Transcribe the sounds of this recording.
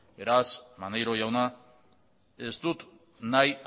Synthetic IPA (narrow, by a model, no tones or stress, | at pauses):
be̞ɾasmanejɾo̞jawna | e̞st̪ut̪ | naj